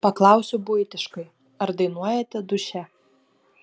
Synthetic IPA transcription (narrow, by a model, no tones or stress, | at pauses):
pɐklˠɑˑʊsʲʊbʊjt̪ʲɪʃkɐɪ | ɐɾd̪ɐɪnuɔjɛt̪ʲɛd̪ʊʃʲɛ